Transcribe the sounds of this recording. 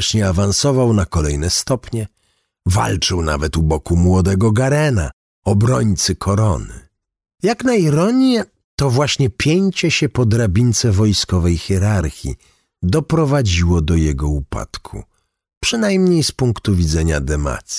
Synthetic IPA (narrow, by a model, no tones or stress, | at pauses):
ʂɲɛavansɔvawnakɔlɛjnɛst̪ɔpɲɛ | va̰lt͡ʂɘwna̰vɛt̪ubɔkumwɔd̪ɛɡɔɡaɾɛna̰ | ɔbɾɔɲt̪sɘkʰɔɾɔnɘ̰ | jaknaiɾɔɲjɛ | t̪ɔvwaɕɲɛpʲjeɲt͡ɕɛɕɛpɔd̪ɾabʲint̪sɛvɔjskɔvɛjxʲɛɾaɾxʲḭ | d̪ɔpɾɔvad͡ʑiwɔd̪ɔjɛɡɔupa̰t̪kʰṵ | pʂɨnajmɲejspuŋkt̪uvʲid̪zɛɲad̪ɛma̰t̪sʲi̥